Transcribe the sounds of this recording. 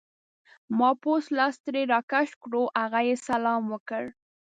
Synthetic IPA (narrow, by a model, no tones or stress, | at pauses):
mɑposlɑst̪ɾeɾɑkaʃkɽoʔaɣajesalɑmwəkəɽ